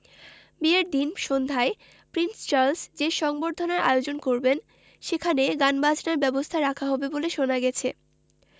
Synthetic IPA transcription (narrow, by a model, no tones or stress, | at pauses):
bieɾd̪inʃond̪ʱae | pɾinst͡ɕaɾlsd͡ʑeʃɔŋboɾd̪ʱonaɾa̰eod͡ʑonkoɾben | ʃekʰaneɡanbad͡ʑʰʱnaɾbɛbost̪ʰaɾakʰaɦɔbeboleʃonaɡɛt͡ɕʰe